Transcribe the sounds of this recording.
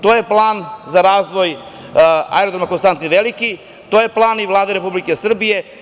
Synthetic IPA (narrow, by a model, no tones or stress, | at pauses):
t̪oːje̞plˠaːnzaɾaːzʋo̞j | a̰eɾod̪ɾomakonst̪ant̪inʋeliki | t̪oːje̞plˠaːniʋlˠaːd̪eɾepublikesr̩bije̞